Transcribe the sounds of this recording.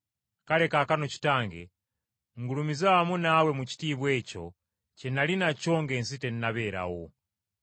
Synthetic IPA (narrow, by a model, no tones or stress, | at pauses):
kalekakanoci̥taːŋɡḛ | ŋɡulumizaamunawemuci̥tiːβweco̞̰ | t͡ʃenalinat͡ʃo̞ːŋɡensiteninaβeɾa̰wo